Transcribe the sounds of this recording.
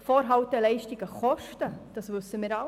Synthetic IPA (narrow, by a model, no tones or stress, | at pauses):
foːɾɦɑwtəlɛɪʃtiɡəχɔʃtəd̥ɑsʋʉsːəmiːɾɑ